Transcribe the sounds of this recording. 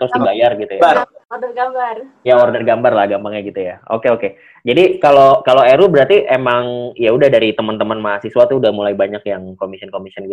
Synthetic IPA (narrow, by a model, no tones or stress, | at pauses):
t̪ɾʊsdibajarɡit̪ujarɔrdərɡambar | jaɔrdərɡambarlahɡambaŋɲaɡit̪ujao̰keoke | d͡ʒadikalokaloeɾubəɾart̪iʔemaŋijaudahdaɾit̪əmənt̪əmənmaasisuat̪uːdahmulaibaɲakjaŋkomisiənkomisiənɡit̪